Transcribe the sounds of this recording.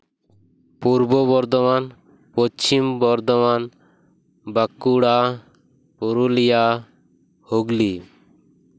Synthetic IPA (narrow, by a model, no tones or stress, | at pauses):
puɾbɔbɔɾd̪ɔman | pot͡ʃimbɔɾd̪ɔman | bakːuɽa | poɾulija | hoɡli